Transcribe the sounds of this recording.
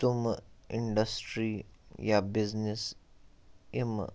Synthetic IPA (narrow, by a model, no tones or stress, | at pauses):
t̪umɪɳɖəsʈɾijabiznɪs | im